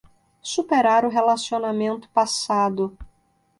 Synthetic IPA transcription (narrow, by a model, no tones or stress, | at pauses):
supeɾaɾʊɦelasionamẽnt̪ʊ̥pasad̪ʊ